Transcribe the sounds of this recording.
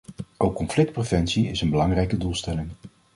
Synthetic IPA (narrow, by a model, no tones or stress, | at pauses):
ʔowkːɔmflɪk̚t̚prevɛnsiɪsənbəlɑŋrɛjkədulˠstɛlɪŋ